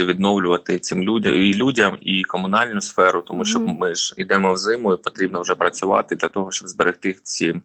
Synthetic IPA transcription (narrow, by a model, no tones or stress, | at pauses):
ɐʋʲid̪nɔwlʲʊʋɐt̪ɪt̪sɪmʲṵilʲudʲɐmikɔmʊnɑlʲnʊsfɛɾʊt̪ɔmuʃt͡ʃɔbmɪʒid̪ɛmɔwzɪmʊipɔt̪ɾʲibnɔwʒɛpɾɐt͡sʲʊʋɑ̰t̪ɪd̪lʲɐt̪ɔɦɔʃt͡ʃɔbzbeɾʔɪxt̪ɪt͡sʲi